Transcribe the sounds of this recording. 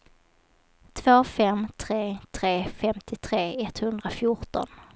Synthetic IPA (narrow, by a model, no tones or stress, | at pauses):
t̪ʰvoːfɛmt̪ʰɾeːt̪ʰɾeːfɛmt̪ʰɪt̪ʰɾeːɛt̪hɵnd̪ɾafjʊʈɔ̰n